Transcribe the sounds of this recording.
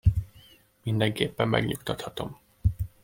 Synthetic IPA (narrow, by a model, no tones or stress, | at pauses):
mind̪ɛŋkeːpːɛmːɛ̰ɡɲukt̪ɒt̪hɒt̪o̞m